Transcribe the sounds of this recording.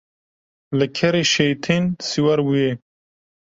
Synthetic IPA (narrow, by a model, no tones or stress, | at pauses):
ləkʰeɾeʃejt̪ʰinsiwɐɾwuje